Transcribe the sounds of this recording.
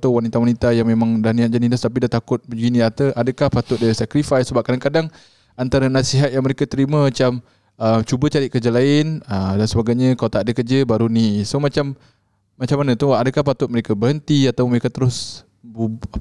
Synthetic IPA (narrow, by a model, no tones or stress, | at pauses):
t̪awanit̪awanit̪ajaŋmemaŋdahniat̪̚d͡ʒanidast̪ap̬idat̪akʊt̪̚bəɡiniat̪əʔadəkahpat̪ʊt̪̚daɾisɛkɾifajsəbap̚kadaŋkadaŋ | ant̪aɾənasiɦat̪̚jaŋməɾekat̪əɾiməmat͡ʃam | əmt͡ʃubət͡ʃaɾɪt̪̚kərd͡ʒəlaɪnədansəbaɡajɲə̃kalawt̪aʔdəkəd͡ʒəbaɾunisomat͡ʃamː | at͡ʃamanət̪ʊadəkahpat̪ʊt̪̚məɾekabəɦənt̪iat̪awməɾekat̪əɾʊs | bu